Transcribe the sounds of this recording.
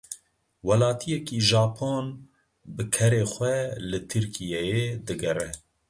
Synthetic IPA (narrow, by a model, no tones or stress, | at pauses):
wɛlɑːt̪ʰijɛkiːʒɑːpʰon | bɨkʰɛɾeːxʷwɛlɨt̪ʰɨɾkʰijɛjed̪ɨɡɛɾɛ